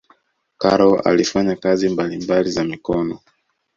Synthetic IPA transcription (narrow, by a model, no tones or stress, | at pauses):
kaɾɔa̰lifaɲakazimbalimbalizamikɔnɔ